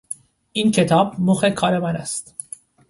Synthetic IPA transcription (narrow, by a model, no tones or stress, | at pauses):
ʔincʰe̞t̪ʰɒːbmoxe̞kʰɒːɾe̞mænæst̪